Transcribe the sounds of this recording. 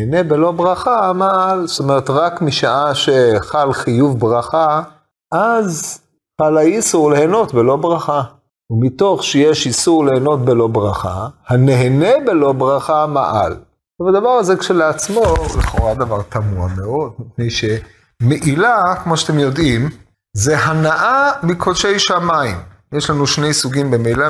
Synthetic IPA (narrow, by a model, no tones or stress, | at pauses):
ene̞belo̞bʁaχamaalst̪o̞me̞ʁet̪ʁakmiʃaʔaʃeχalχijuvbʁaχa | ʔaz | paalaisuʁleheno̞t̪belo̞bʁaχa | umit̪o̞χʃejeʃisuʁleeno̞t̪be̞lo̞bʁaχa̰hane̞ɦenebe̞lo̞bʁaχama̰ʔa̰l | tovad̪avaʁazekʃeleat͡smoliχo̞ʁad̪avaʁt̪amuameo̞d̪̚mipnejʃe̞ | meʔilakmo̞ʃat̪emjo̞d̪im | zeɦanaʔamikʰodʃejʃamaim | jeʃlanuʃnejsuɡimbemeila